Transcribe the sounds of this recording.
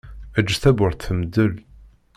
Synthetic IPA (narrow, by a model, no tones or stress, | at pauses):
æd͡ʒːθæbʊɾθθəmd̪əl